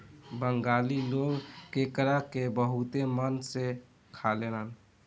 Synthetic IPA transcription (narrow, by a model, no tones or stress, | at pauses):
bəŋɡaliloɡkekɾakebəɦut̪emənse | kʰalelən